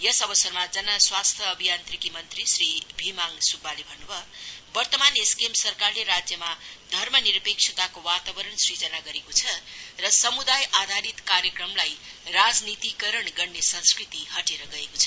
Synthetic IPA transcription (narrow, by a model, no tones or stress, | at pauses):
jʌsʌbʌsʌrmad͡zʌnʌswast̪ʰjʌːbʱijant̪rikimʌnt̪risribʱimaŋsubːalebʱʌnːubʱʌbʌrt̪ʌmaneskemsʌrkarleɾad͡zjʌmad̪ʱʌrmʌniɾʌpek̚ʂʰit̪akowat̪abʌɾʌɳsrid͡zʌnaɡʌɾekot͡sʰʌrʌsʌmud̪ajʔad̪ʱaɾit̪kaɾjʌkrʌmlajrad͡znit̪ikʌɾʌɳɡʌrnesʌ̃nskrit̪ihʌʈeɾʌɡʌekot͡sʰʌ